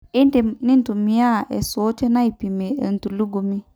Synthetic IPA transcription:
i˦n˦te˨ni˦n˦tu˨mi˨ja˦ʔḛ˨so˨˦t͡ʃe˦na˦i˨pi˨me˨ə̰˨n˨tu˨lu˦ɡu˨mi˦

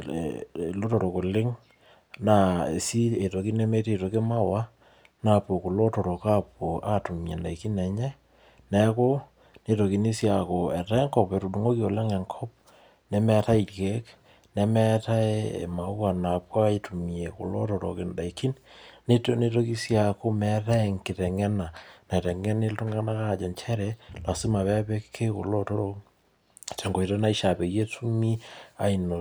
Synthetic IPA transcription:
lo˦tɔ˨ɾo˨ko˨lɪ˦ŋ | na˨ḛ˨si˦e˨to˨ki˦nɛ˦me˦te˨to˨ke˦ma˦wa˦ | na˨po˨ku˨lo˦tɔ˨ɾo˨ka˦po˨ʔa˦tu˨mjḛ˨nda˨i˨ki˦nɛ˨ɲɛ˦ | nɛ˨ko˦ | ne˨to˨ki˨ni˦sja˨ko˨ɛ˨ta˦e˦ŋkɔ˨pɛ˨ɾu˨du˨ŋo˦ki˦o˨lɛ˦ŋɛ˨ŋkʰɔ˦p̚ | nɛ˨mɛ˦ta˦i˨tkɛ˦k | nɛ˦mɛ˦ta˦e˦ḛ˨ma˨u˦a˨na˨pwa˦itu˨mie˨ko̰˨lo˦tɔ˨ɾo̰˨ke˨nda˨i˨ki˦nne˦tne˦to˦ki˦sjako˦mɛta˦˨ŋkɪ˨tɛ˨ŋɛ˦na˨na˨i˨tɛ˨ŋɛ˦ne˦ltu˦ŋɡa˦na˦ka˦˨d͡ʒɛ˨nt͡ʃʰɛ˦ɾɛla˨si˦ma˨βɛ˦pe˦kkʰe˦ko̰˨lo˦to˦ɾo | t͡ʃɛ˨ŋɡo˨i˨ɾo˦na˦i˦ʃa˨pe˨je˦tu˦mi˦a˨i˨no˨

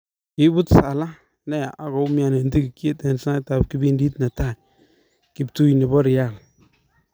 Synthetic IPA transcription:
ki˦bu˦tsa˨la˦ | ne˦ja˨ʔa˨˦kɔ˨˦mi˦a˨ne˨n˦ti˦ki˨ki˦e˦te˨n˨sa˦ta˨b̚ki˦bi˦ndi˦tna˨ta˦˨ | kɪ˨b̚tu˦jne˨bɔ˦ɾɪ˨ja˦˨l

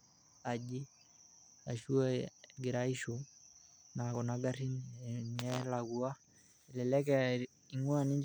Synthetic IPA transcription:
a˨d͡ʒi˦ | a̰˨ʃu˦a˦ɡi˨ɾa˦i˦ʃu | na˨kɔ˨naɡa˦ɾi˦nɲɛ˦laɡu˦a˦ | i˨lɛ˨lɛ˦k̬ɛ | i˨ŋu˦ani˦ɲ

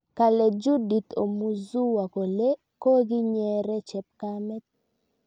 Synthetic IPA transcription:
ka˨lɛ˨d͡ʒu˦di˨t̪o˨mu˨zu˦wa˨ko˨le˦ | ko˦ɡɪ˦ɲɛ˦ɾɛ˦t͡ʃɛ˨p̚ka˦mɛ˦t̪̚

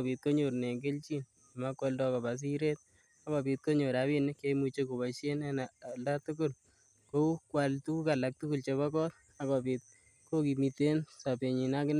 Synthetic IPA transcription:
bi˨t̪̚ko˦ɲo˨ɾne˨ɡe˦lt͡ʃi˦n˨ | ma˦kːɔ˦ldɔ˦kɔ˨ba˨s̬i˦ɾe˦t̚ | a˦kɔ˨bi˨t̪̚ko˦ɲo˨ɾabi˦nɪ˦kemu˧t͡ʃe˦ko˨ba˨ʃe˦nɛ˦na˨lda˦tʊ˦kʊ˦l | ko˦kwa˨ltu˦ka˨la˨k̚tʊ˦kʊ˨lt͡ʃe˨βakɔ˦t̚ | a˦kɔ˨pi˨t̚ | ko˦ki˨mi˨te˦nsa˨pe˨ɲi˨na˦kɪ˦n

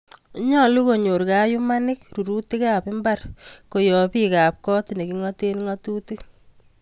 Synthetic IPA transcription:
ɲa˦lu˦ko˨ɲo˨ɾkaju˦manɪ˦kɾu˨ɾu˦ti˦kapɪ˦mba˦rko˨jɔ˨pika˨p̚kɔ˦tine˨ki˨ŋɔte˦nŋatu˦ti˦

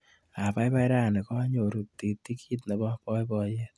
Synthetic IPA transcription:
a˨pa˦jpa˦jɾa˦˨nɛ˨kɔ˦ɲo˨ɾu˨ti˨ti˦ki˦tnɛ˨bɔ˦pɔ˦jbɔ˧jɛ˦t̚

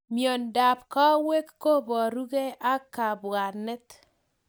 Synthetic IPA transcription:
mjo˨nda˨pkɔ˦we˦kːo˦bɔ˨ɾu˦ɡe˦ʔa˦ka˨ba˨nɛ˦t̪

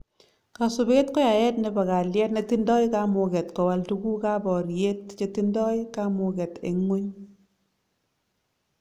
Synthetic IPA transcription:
ka˨su˨be˦tkɔ˦ja˨jɛ˦tne˨˧ba˨ka˨ljɛ˦tne˨ti˦ndɔ˦jka˦mʊ˨kɛ˨tkɔ˨wa˨ltu˦ɡu˦ka˦bɔ˨ɾje˦t̚t͡ʃe˦ti˦ndɔ˦jka˦mʊ˨kɛ˨tḛ˨ŋwo˦ɲ

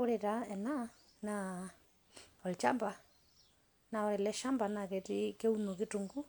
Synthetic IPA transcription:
ɔ˦ɾɛ˨ɾa˨ɛ˨na˦ | na˨ | ɔ˨lt͡ʃa˦mba˨ | na˨ɔ˧ɾɛ˨lɛ˦ʃa˦mba˨na˨kɛ˨ti˦kɛ˦u˦nu˨ki˦tu˨ŋɡu˦

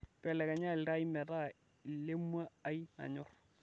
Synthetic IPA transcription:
pɛ˨lɛ˨ka˨ɲa˦lɪ˨ɾa˦i˦mɛ˨ta˦˨ | i˨le˦mwa˦a˦i˦na̰˨ɲʊ˦r

